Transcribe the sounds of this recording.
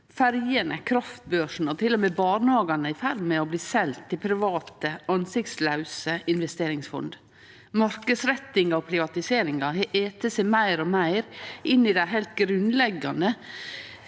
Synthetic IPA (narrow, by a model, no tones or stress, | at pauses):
fæɾjənəkʰɾɑft̪̚bøːʂɳ̩ɔt̪ʰɪlːɔmeːbɑːɳhɑːɡɑnəɪfæɾmɛɔbliːsɛlt̪ʰːɪpʰɾɪʋɑːt̪əɑnsɪk̚t̪slɑʉsəʔɪnʋɛst̪eːɾɪŋsfɔ̰nd̪ | mɑɾkəsɾɛt̪ːɪŋɑɔpʰɾɪʋɑt̪ɪseːɾɪŋɑɦɛʔeːt̪əsɛɪmæɪɾɔmæɪɾʔɪnːɪd̪æɪɦɛlt̪̚ɡɾʉnlɛɡːɑnd̪ə